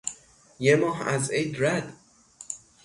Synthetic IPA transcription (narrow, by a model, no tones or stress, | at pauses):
jemɒːɦæ̰zejd̪ɾæd̪